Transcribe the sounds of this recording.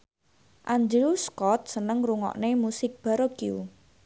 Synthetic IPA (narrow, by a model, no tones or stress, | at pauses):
ʔand͡ʒeuskɔt̪̚sənəŋruŋɔ̰ʔnemusɪk̚b̥a̤ɾokiu